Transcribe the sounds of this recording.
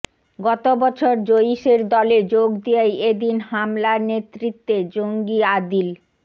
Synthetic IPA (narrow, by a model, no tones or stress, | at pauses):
ɡɔt̪obɔt͡ɕʰoɾd͡ʑoiʃeɾd̪ɔled͡ʑoɡd̪ijajed̪inhamlanet̪ːɾit̪ːed͡ʑoŋɡiad̪il